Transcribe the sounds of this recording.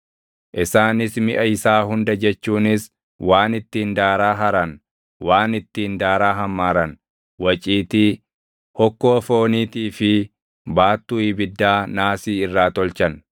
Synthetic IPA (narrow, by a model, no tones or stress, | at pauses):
ʔɪsaːnɪsmɪʔɐɪsaːɦʊnd̪ɐd͡ʒɛt͡ʃːuːnɪs | waːnɪt̪ːiːnd̪aːɾaːɦɐɾɐn | waːnɪt̪ːiːnd̪aːɾaːɦɐmːaːɾɐn | wɐt͡ʃʼiːt̪iː | hɔkːoːfo̞ːniːt̪iːfɪ | baːt̪ːuːɪbɪd̪ːaːnaːsiːɪrːaːt̪ɔlt͡ʃɐn